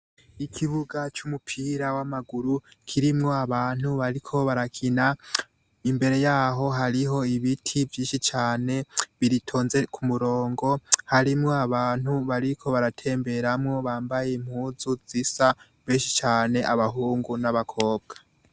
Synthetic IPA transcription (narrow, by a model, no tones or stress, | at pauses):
ikʰiβuɡat͡ʃumupʰiɾawamaɡuɾukʰiɾimŋo̞aβaːn̥huβaɾikʰo̞βaɾakʰina | imbe̞ɾe̞jaːɦo̞ɦaɾiɦo̞iβitʰivjiːʃit͡ʃaːne̞βiɾitʰo̞ːnze̞kʰumuɾo̞ːŋɡo̞haɾimŋo̞aβaːn̥huβaɾikʰo̞βaɾatʰe̞ːmbe̞ɾamŋo̞βaːmbaje̞imhuːzuzisa | βeːnʃit͡ʃaːne̞ʔaβaɦuːŋɡunaβakʰo̞ːb̚ɡ̥ḁ